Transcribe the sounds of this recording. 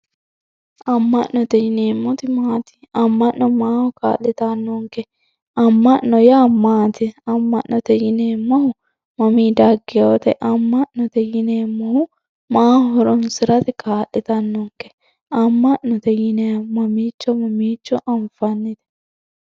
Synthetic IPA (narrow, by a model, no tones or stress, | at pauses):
ʔɐmːɐnːɔt̪ɛjɪneːmːɔt̪ɪmaːt̪ɪ̥ | ɐmːɐnnɔmaːhʊka̰ːlːɛt̪ɐnːɔŋkɛ | ɐmːɐnnɔjaːmaːt̪ɪɐmːɐʔːɔt̪ɛjɪneːmːɐhʊ | mɐmiːd̪ɐɡːɛjot̪ɛʔɐmːɐʔnɔt̪ɛjɪneːmːʊhʊ | maːhɔɾɔnsɪɾɐt̪ɪkʰaːlːɪt̪ɐnːɔŋkɛ̥ | ɐmːɐʔnɔt̪ɛjɪnemɐmiːt͡ʃːɔmɐmiːt͡ʃːɔʔɐɱfɐnːɪt̪ɛ̥